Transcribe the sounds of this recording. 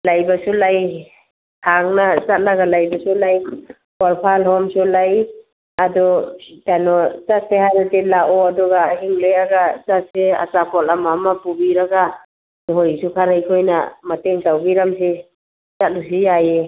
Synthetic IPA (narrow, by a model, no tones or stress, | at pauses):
lajbasulaj | haŋnazat̚laɡalajbasulaj | bɔɾpʰalhɔmsulaj | adɔtanɔzasehajɾatelaʔɔadɔɡaɦiŋlejaɡazasea̰sapʰɔlamamapubiɾaɡa | nuɦɔjsukʰaɾajkʰɔjna̰mateŋtawbiɾamsi | zat̚lus̬ijaje